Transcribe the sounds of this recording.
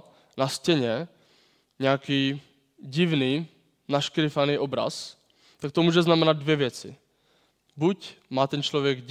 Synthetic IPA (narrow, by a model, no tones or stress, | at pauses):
nascɛɲɛ | ɲɛakiː | ɟɪvniː | naʃkɾɪfaniːʔobɾa̰s | t̪ak̚t̪omuːʒɛznamɛnad̪̚dvjɛvjɛt͡sɪ̰ | bucmaːt̪ɛnt͡ʃlovjɛɡ